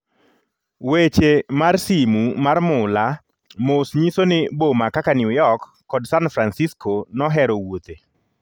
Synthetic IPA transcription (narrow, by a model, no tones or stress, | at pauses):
wet͡ʃemarsimumarmʊla | mosɲisonɪbomakakanjʊjɔkːɔdsanfɾansiskʰonɔɦɛɾowot̪e